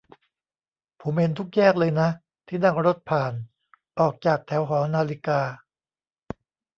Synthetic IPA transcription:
pʰuː˩˦me˧nt̪ʰu˦˥k̚jɛː˥˩k̚lɤː˧jna˦˥ | t̪ʰiː˥˩na˥˩ŋɾo˦˥t̪̚pʰaː˨˩n | ʔɔː˨˩k̚t͡ɕaː˨˩k̚t̪ʰɛː˩˦wɦɔː˩˦naː˧li˦˥kaː˧

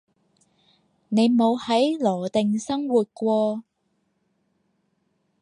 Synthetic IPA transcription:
ne˨˧jmo˨˧whɐ˨˥jlɔː˨˩t̪ɪ˨ŋsɐ˥ŋwuː˨t̚kʷɔː˧

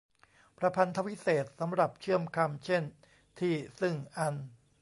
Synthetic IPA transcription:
pʰɾa˧pʰa˧nt̪ʰa˦˧wi˦˥seː˨˩t̪̚sa˩˦mɾa˨˩p̚t͡ɕʰɯ˥˩əmkʰa˧mt͡ɕʰe˥˩n | t̪ʰiː˥˩sɯ˥˩ŋʔa˧n

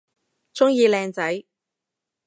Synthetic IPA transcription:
t͡sʊ˥ŋjiː˧lɛː˧ŋt͡sɐ˨˥j

